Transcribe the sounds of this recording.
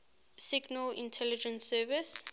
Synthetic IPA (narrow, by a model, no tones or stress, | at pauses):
siɡnəlḭ̃ntʰɛlid͡ʒɛ̃nsɛvis